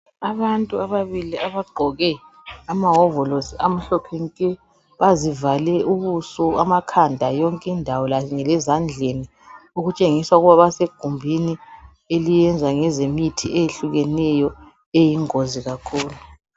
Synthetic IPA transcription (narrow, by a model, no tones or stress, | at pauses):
aβantʼuaβaβiliaβaɡ͡ǃʱɔɣɛ | amaɦɔvɔlosiam̩ɬɔkʰɛŋkʼɛ | βazivalɛuβusuamakʰandʱajɔŋkʼindʱawɔlaŋɛlɛzand͡ɮʱeni | uɣut͡ʃʼeŋisauɣuβaβaseɡ̥ʱumbʱini | elijɛnd͡zʱaŋɛzemitʰiʔejeɬuɣɛnɛjɔ | ejiŋoziɣakʰuːlu